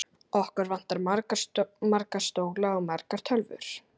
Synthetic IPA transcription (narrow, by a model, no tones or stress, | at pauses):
ɔhkʏɾvan̥t̪aɾmaɾkamaɾkḁst̪oːwɣlaɔɣmaɾkaɾ̥t̪ʰœlvʏ̰ɾ̥